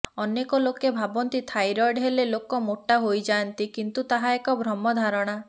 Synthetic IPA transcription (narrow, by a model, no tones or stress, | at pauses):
ɔnekɔlokebʱabɔnt̪it̪ʰajɾɔɾɖɦelelokɔmoʈːaɦojd͡ʒant̪ikint̪ut̪aɦaekɔbʱɾɔmɔd̪ʱaɾɔɽ̃a